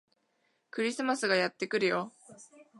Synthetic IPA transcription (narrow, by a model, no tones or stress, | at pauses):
kɯ̟ɾʲisɨmasɨɡajat̪ːe̞kɯ̟ɾɯ̟jo̞